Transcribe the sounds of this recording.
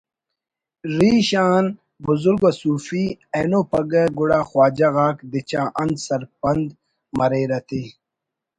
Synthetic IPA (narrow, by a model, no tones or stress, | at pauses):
ɾiːɕaːn | buzuɾɡwasuːfieːnoːpɐɡeɡuɽaːxwaːd͡ʑaɣaːkd̪it͡ɕaːʔɐnd̪sɐɾpɐnd̪ | mɐɾeːɾɐt̪i